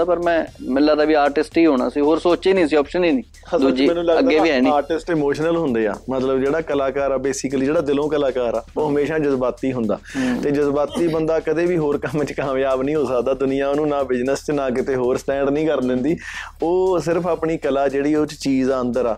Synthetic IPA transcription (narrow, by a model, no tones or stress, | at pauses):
aːpəɾmɛ̃ːmɪlːaːd̪aːʋiːaːɾʈɪsʈiːɦoːɽ̃a̰ːsiːɦoːɾsoːt͡ʃeːnĩːsiːɔːpʃəniːnĩː | d̪ːd͡ʒiːnːləəɡeːʋiːɛːniːaːɾʈɪsʈɪmoːʃnəlɦʊnd̪eːa̰ːmət̪ləbd͡ʒeːɽaːkəlaːkaːɾaːbeːsɪkəliːd͡ʒeːɽaːd̪ɪlõːkəlaːkaːɾaːoːɦəmeːʃaːd͡ʒəzbaːt̪iːɦʊ̃nd̪a̰ːt̪eːd͡ʒəzbaːt̪iːbənd̪aːkəd̪eːbiːɦoːɾkəmt͡ʃkaːmjaːbnĩːɦoːsəkd̪aːd̪ʊnɪjãːonũːnãːbɪd͡ʒnəst͡ʃnãːkɪt̪eːɦoːɾsʈɛ̃ːɳɖnĩːkəɾd̪ɪnd̪iː | oːsɪɾəpʰaːpɳiːkəlaːd͡ʒeːɽiːot͡ʃt͡ʃiːzaənd̪əɾaː